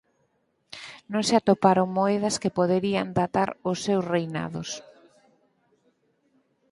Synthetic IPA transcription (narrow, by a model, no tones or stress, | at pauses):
nõŋsɪat̪opaɾoŋmoɛðɐskɪpoðeɾia̰nd̪at̪aɾʊsːewsrejna̰ðʊs